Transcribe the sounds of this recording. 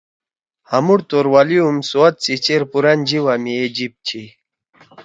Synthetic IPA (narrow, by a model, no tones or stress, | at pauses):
hamuɽt̪oɾwaliumsuat̪̚t͡sit͡ɕeɾpuɾand͡ʑiwamied͡ʑip̚t͡ɕʰi